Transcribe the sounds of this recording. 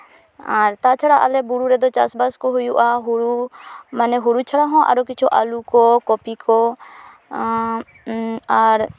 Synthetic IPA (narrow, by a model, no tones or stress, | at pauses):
aɾt̪at͡ʃʰəɽaʔə̰lɛbuɾuɾɛd̪ɔt͡ʃa̰sbaskoɦʊjuʔaɦuɾumənɛɦuɾut͡ʃʰəɽaɦɔ̃ʔa̰ɾokɪt͡ʃʰoʔa̰lukɔkɔpiko | aɾ